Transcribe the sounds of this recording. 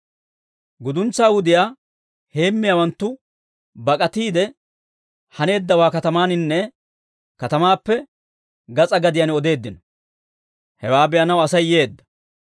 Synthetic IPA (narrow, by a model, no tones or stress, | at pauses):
ɡʊd̪ʊnt͡sːaːwʊd̪ɪjaː | he̞ːmːɪjawɐnt̪ːʊ | bɐkʼɐt̪iːd̪ɛ | hɐne̞ːd̪ːɐwaːkɐt̪ɐmaːnɪnːɛ | kɐt̪ɐmaːpːɛ | ɡɐt͡sʼɐɡɐd̪ɪjɐnɔd̪e̞ːd̪ːɪnɔ | hɛwaːbɛjɐnɐwɐsɐjːeːd̪ːɐ̥